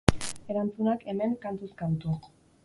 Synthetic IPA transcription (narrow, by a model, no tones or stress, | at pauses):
e̞ɾant͡sunake̞me̞ŋkant̪uskant̪u